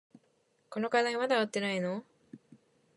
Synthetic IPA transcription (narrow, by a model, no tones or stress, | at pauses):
ko̞no̞kad̪aimad̪aβat̪ːe̞naino